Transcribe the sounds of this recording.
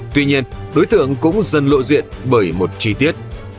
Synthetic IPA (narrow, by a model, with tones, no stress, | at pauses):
t̪wi˧ɲi˧ənɗo˨˦jt̪ɨ̰˧˨əŋkʊ̰˧˥ŋ͡mzə˧˩nlo̰˧˨zḭ˧˨ənɓəː˧˩jmo˨˩t̚t͡ɕi˧t̪i˦˥ət̚